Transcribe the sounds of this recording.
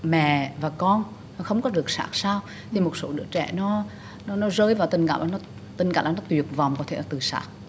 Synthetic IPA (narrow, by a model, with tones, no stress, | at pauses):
mɛ̰˧˨vaː˨˩kɔ˧n˨˦ | xə˧wŋ͡mkɔ˨˦ɗɨ˨˩ək̚sa̰ː˧˥k̚saː˧w | t̪ʰi˨˩mo˨˩t̚so˧˨˦ɗɨ̰˧˥ət͡ɕɛ̰˧˩nɔ˨˦ | nɔ˨˦nɔ˨˦zəː˧jvaː˨˩wt̪ï˨˩ŋ̟ka̰ː˧˩mʔːnɔ˨˦ | t̪ï˨˩ŋ̟kaː˧˩˨ʔːnɔ˨˦t̪wi˨˩ət̚va˨˩wŋ͡mkɔ˨˦t̪ʰe˧˩˨ɔ˧˦t̪ɨ˨˩sa̰ː˧˦˥k̚